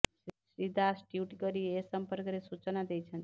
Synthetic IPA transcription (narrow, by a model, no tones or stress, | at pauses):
sid̪ʱasʈjuʈkəɾiesəmpəɾkɾesut͡ʃnad̪ejt͡ʃʰən